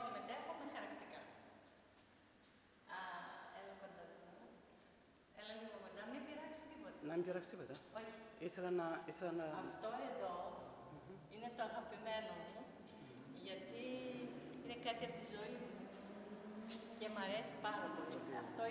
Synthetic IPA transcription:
sime̞t̪e̞xomexɐɾɐkt̪ikɐ | ɐelɐkod̪ɐ | elɐliokot̪nɐmimbiɾɐksi̥st̪ipot̪ɐnɐmimbiɾɐkst̪ipo̞t̪ɐoɾiθelɐnɐiθelɐnɐɐft̪o̞eðo̞ | ine̞t̪oɐɣɐpime̞nomu | ʝɐt̪i | ine̞kɐt̪iɐpot̪izo̞imu | ce̞mɐɾe̞si̥pɐnɐpoliɐft̪o

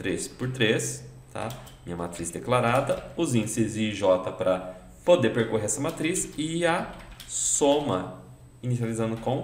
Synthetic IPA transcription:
t̪ɾespʊɾt̪ɾes | t̪ʰa̰ | mĩɲɐmat̪ɾisd̪eklaɾad̪ɐʊzĩd͡ʒsɪzɪːʒɔt̪ɐpɾɐ | pod̪eɾpeɾkoɦeɾɛsɐmat̪ɾisɪɐ | sõmɐ | inisializɐ̃nd̪ʊkõw̃

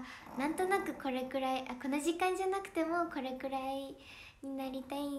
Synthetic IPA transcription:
nãnt̪o̞nakɯ̟ko̞ɾe̞kɯ̟ɾaiʔako̞noʑikãɲ̟d͡ʑanakɯ̟̥t̪e̞mo̞ko̞ɾe̞kɯ̟ɾai | ɲinaɾʲit̪ai

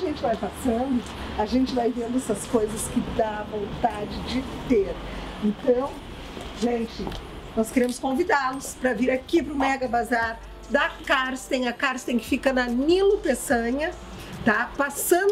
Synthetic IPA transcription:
ʒẽnt͡ʃɪvajpasɐ̃nd̪ʊ | ɐʒẽnt͡ʃɪvajvẽnd̪ʊɛsɐskojzɐskɪd̪aɐvõnt̪ad͡ʒɪd͡ʒɪt̪eɾ | ẽnt̪ɐ̃w̃ | ʒẽnt͡ʃɪ | nɔskeɾẽmʊskõvid̪alʊspɾɐviɾakipɾʊmɛɡɐbazaɾ | d̪ɐkaɾst̪ẽj̃ɐkaɾst̪ẽj̃kɪ̥fikɐnɐnilʊpesɐ̃ɲɐ | t̪apasɐ̃

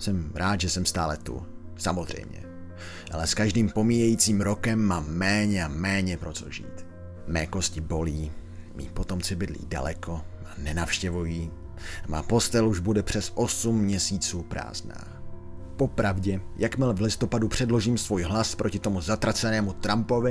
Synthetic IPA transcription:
sɛmɾʔaːt̪ʒɛsɛmst̪aːlɛt̪ṵ | samo̞zr̝ɛ̰jmɲɛ̰ | ʔalɛskaʒdiːmpo̞miːjɛjiːt͡siːmɾo̞kɛmːaːmːɛːɲɛaːɛːɲɛpɾo̞t̪o̰ʒḭːt̪ | mɛːko̞scɪbo̞liːmḭːpo̞t̪o̞mt͡sɪbɪdlḭːda̰lɛko̞maːnɛnafʃcɛvujiː | ma̰ːpo̞st̪ɛluʒbudɛpr̥ɛsʔo̞sumːɲɛsiːt͡suːpɾa̰ːzna̰ːpo̞pɾavɟɛjakmɪlvlɪst̪o̞padupr̝̥ɛdlo̞ʒiːmsvuːjɦlaspɾʔocɪt̪o̞muzat̪ɾat͡sɛnɛːmut̪ɾampo̞vɪ

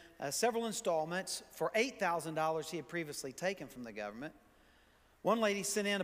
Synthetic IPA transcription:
sɛvɹl̩ˠə̃nstɔlˠmɨ̃ntsfə˞ʔeɪt̪̚θaʊzə̃ndɔlˠə˞z̥hiɨd̚pʰɹ̥iviəslitʰeɪkɨ̃nfɹʌ̃mðɨɡʌ̰və˞mɨ̃nʔ | wʌ̃nleɪɾisɨ̃ɾɨ̃n

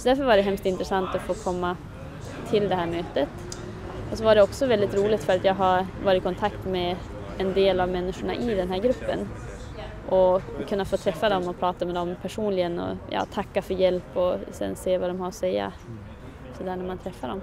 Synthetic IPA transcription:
sɔd̪æɾfœɾvaɖɛɦɛmst̪ɪnt̪ɾɛsant̪ɔfoːkʰɔmːa | t̪ʰɪld̪ɛɦæːɾmøːt̪ət̪ | ʔɔsɔvaɖɛɔksɔvɛld̪ɪt̪ɾuːlɪɡt̪fœɾat̪jɑːɡɦaɾvɑːɾɪɪkʰɔnt̪ʰakt̪mɛ | ɛnd̪eːlavmɛnːɪʂʊɳa̰ʔɪd̪ɛnɦæːɾɡɾɵpːə̰n | ʔɔkʰɵnːafoːt̪ʰɾɛfːad̪ɔmɔpʰɾɑːt̪amɛd̪ɔmpʰæʂuːnlɪɡənɔ̰jɑ̰ːt̪ʰakːafœɾjɛlpɔsɛ̰nːseːvad̪ɔmɦaɾɔsɛjːa̰ | sɔd̪æːɳæmant̪ʰɾɛfːad̪ɔm

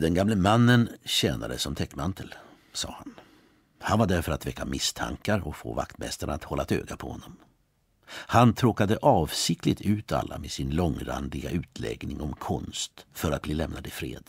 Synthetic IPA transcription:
d̪ɛnɡamləmanːənɕɛːnad̪əsɔmt̪ʰɛkːmant̪ʰəl | sɑːhan | hanvaɖæɾfœɾat̪vɛkːamɪst̪ʰa̰ŋkaɾɔkfoːva̰kt̪mɛst̪aɳat̪hɔlːat̪ʰøːɡapʰɔhɔnːɔm | hant̪ʰɾoːkad̪əʔɑːvsɪk̚t̪ɪt̪ʰʉ̟ːt̪ʰa̰lːamed̪sɪnlɔŋɾa̰nd̪ɪɡa̰ʔʉ̟ːt̪ʰlɛ̰ɡnɪŋɔmkʰɔnst̪fœɾat̪̚bliːlɛmnad̪ɪfɾeːd̪̥

